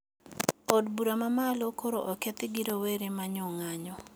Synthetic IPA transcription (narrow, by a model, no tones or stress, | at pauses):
ɔdbuɾamamalokʰoɾoʔɔket̪ɪɡiɾoweɾemaɲɔŋaɲɔ